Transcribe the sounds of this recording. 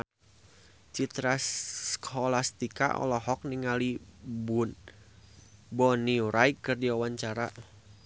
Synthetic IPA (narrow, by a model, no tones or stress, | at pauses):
t͡ʃit̪ɾakʰɔlast̪ika̰ʔɔ̰lɔɦɔk̚niŋalibun | bɔniuɾʔaikːɨrdiawaɲt͡ʃaɾa